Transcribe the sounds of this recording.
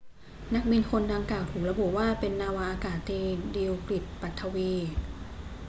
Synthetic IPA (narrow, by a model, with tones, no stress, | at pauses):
na˦˥k̚bi˧nkʰo˧ndaː˧ŋkaː˨˩wt̪ʰuː˨˩k̚ɾa˧bu˨˩waː˥˩pe˧nːaː˧wa˧ʔaː˧kaː˨˩t̪ʰːiː˧di˧wkli˨˩t̪̚pa˨˩t̪ʰːa˧wiː˧